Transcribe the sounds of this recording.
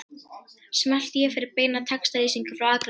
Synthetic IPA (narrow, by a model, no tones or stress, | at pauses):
smɛl̥t̪jɛfɪɾɪɾpeːjnaðt̪ʰɛkst̪aɾiːsiŋkʏfɾawaːkɾ